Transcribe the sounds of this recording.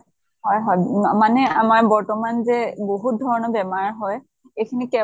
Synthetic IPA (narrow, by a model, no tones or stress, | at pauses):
ɦɔjɦɔjmanɛamaɹbɔɹtɔmanzɛboɦut̚dʱɔɹɔnɔbɛmaɹɦɔj | ejkʰinikɛ